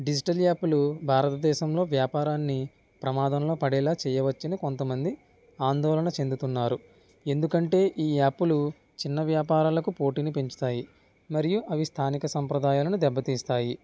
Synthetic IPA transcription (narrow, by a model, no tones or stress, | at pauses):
ɖid͡ʒiʈɐlaːpːulubʱaːɾɐt̪ɐd̪ɛːʃɐmlo̞ːʋjaːpaːɾaːnːi | pɾɐmaːd̪ɐmlo̞ːpɐɽɛːlaːt͡ʃɛːjɐʋɐt͡ʃːinɐko̞nt̪ɐmɐnd̪i | aːnd̪ɔːlɐnɐt͡ʃe̞nd̪ut̪unːaːɾu | e̞nd̪ukɐɳʈe̞ːʔiːaːpːulu | t͡ʃinːɐʋjaːpaːɾaːlɐkupo̞ːʈiːnipeɲt͡ʃu̥t̪aːji | mɐɾijuʔɐʋist̪ʰaːnikɐsɐmpɾɐd̪aːjaːlɐnud̪ɛbːɐt̪iːst̪aːji